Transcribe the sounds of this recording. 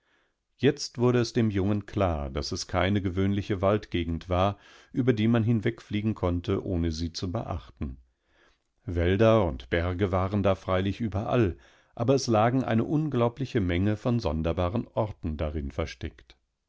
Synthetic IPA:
jɛt͡stv̥ʊɐɾəɛsd̥eːmjʊŋənkʰl̥aːɐd̥asɛskʰaɪnəɡəvøːnlɪçəvaltɡ̥eːɡŋ̩tv̥aːɐ | ʔyːbɐdiːmanɦɪnvɛkfliːɡŋ̩kʰɔntəʔoːnəziːt͡subə̰ʔa̰χtn̩ | vɛldɐʊntb̥ɛɐɡəvaːʁəndaːfʁ̥aɪlɪçʔyːbɐʔa̰l | ʔaːbɐɛslaːɡŋ̩ʔa̰ɪnə̰ʔʊnɡlaʊplɪçəmɛŋəfɔnzɔndɐbaːʁənʔɔɐtn̩daʁɪnfɛɐʃtɛkt

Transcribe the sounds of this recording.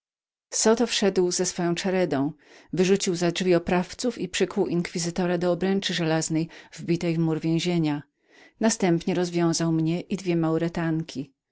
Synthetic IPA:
sɔt̪ɔfʂɛd̪wzɛsfɔjɔ̃w̃t͡ʂaɾɛd̪ɔ̃w̃ | vɘʐut͡ɕiwzadʐvʲiɔpɾaft̪sufipʂɘkuwʔiŋkfʲizɘt̪ɔɾad̪ɔːbɾɛnt͡ʂɘʐɛlaznɛjvbʲit̪ɛjvmuɾvʲjɛ̃w̃ʑeɲa | nast̪ɛmpɲɛɾɔzvʲjɔ̃w̃zawmɲɛʔid̪vʲjɛmawɾɛt̪aŋkʲʰi

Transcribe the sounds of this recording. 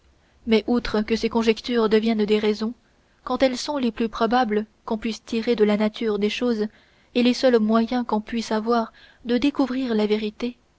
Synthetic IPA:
mɛʔut̪χəkəsekɔ̃ʒɛkt̪yːʁd̪əvjɛnd̪eʁɛzɔ̃ | kɑ̃t̪ɛlsɔ̃leplypχɔbabləkɔ̃pɥist̪iʁed̪əlanat̪ʰyʁd̪eʃoz | elesœlmwajɛ̃kɔ̃pɥisavwaʁ | d̪əd̪ekuvʁiːʁlaveʁit̪e

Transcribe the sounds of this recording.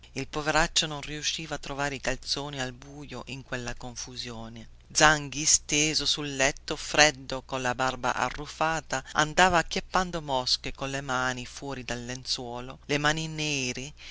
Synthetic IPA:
ilpoveɾat͡ʃːononriuʃːiːvat̪ːɾovaːɾikalt̪soːnialbuːjoʔiŋkwelːakoɱfuzjoːne | d̪zaŋɡist̪eːzosulːɛt̪ːofɾɛd̪ːokonlabarba̰ʔa̰rːufaːt̪aa̰nd̪aːvaːkːjapːand̪omɔskekonlemaːnifwɔːɾid̪alːent̪swɔːlolemaːninɛːɾi

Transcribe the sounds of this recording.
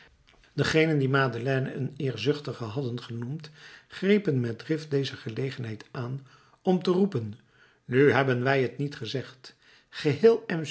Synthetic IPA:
dəχejnəndimaːdəlɛːnə̰ənɪːɹzɵχtəχəɦɑdənχənumtχrejpənmɛt̚drɪftdejzəχəlejχənɦɛjtaːn | ɔmtərupənː | yɦɛbənʋɛjɦətnitχəzɛχt | χəɦɪːlˠɛm

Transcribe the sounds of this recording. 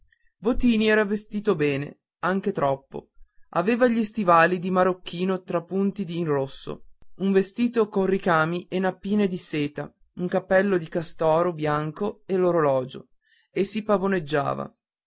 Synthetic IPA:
vot̪iːniɛːɾavest̪iːt̪obɛːnḛ | aŋk̟et̪ɾɔpːo̰ʔa̰veːvaʎist̪ivaːlid̪imaɾok̟ːiːnot̪ɾapːunt̪id̪iːnrosːo̰uɱvest̪iːt̪okonrikaːmiʔenapːiːned̪iseːt̪a | uŋkapːɛlːod̪ikast̪ɔːɾobjaŋkoeloɾolɔːd͡ʒo̰ | esːipavoned͡ʒːa̰ːva̰

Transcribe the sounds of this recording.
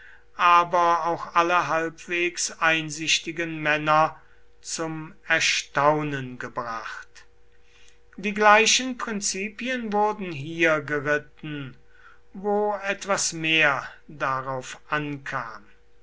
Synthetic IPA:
ʔaːbɐaʊxʔaləɦalpv̥eːksaɪnzɪʃtɪɡənmɛnɐ | t͡sʊmɛɐʃtaʊnənɡəbʁaχt | d̥iːɡlaɪʃənpʁ̥ɪnt͡siːpiənvʊɐdn̩ɦiːɐɡəʁɪtn̩ | voːɛtv̥asmeːɐdaʁaʊfʔankʰaːm

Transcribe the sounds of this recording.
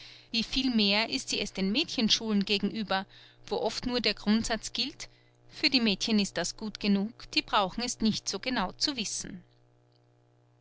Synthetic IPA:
viːfiːlmeːɐʔɪstz̥iːɛsd̥eːnmɛːtçənʃuːlənɡeːɡŋ̩ʔyːbɐvoːʔɔftnuːɐdeːɐɡʁʊntz̥at͡sɡ̥ɪlt | fyːɐdiːmɛːtçənɪst̚d̥asɡ̥uːtɡ̥ənuːkd̥iːbʁaʊxn̩ɛsnɪçtz̥oːɡənaʊt͡suvɪsn̩

